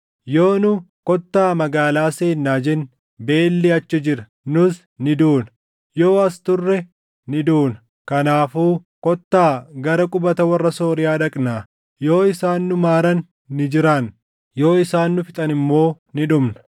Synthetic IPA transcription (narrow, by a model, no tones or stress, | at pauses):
jo̞ːnʊ | kɔt̪ːaːmɐɡaːlaːseːnːaːd͡ʒɛn | be̞ːlːɪɐt͡ʃːɪd͡ʒɪɾɐ | nʊs | nɪd̪uːnɐ̥ | jo̞ːɐst̪ʊrːɛ | nɪd̪uːnɐ | kɐnaːfuːkɔt̪ːaːɡɐɾɐkʼʊbɐt̪ɐwɐrːɐso̞ːɾɪjaːᶑɐkʼnaː | jo̞ːɪsaːnːʊmaːɾɐnː | ɪd͡ʒɪɾɐn | jo̞ːɪsaːnːʊfɪt̪ʼɐnɪmːo̞ː | nɪᶑʊmnɐ̥